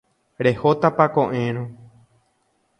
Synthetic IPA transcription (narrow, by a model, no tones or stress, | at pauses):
ɾe̞hot̪apakõʔẽɾ̃õ